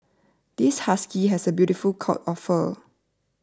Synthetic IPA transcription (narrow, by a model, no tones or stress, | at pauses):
d̥ishaskiɦɛsəbjutifulkʰaʊtɔfə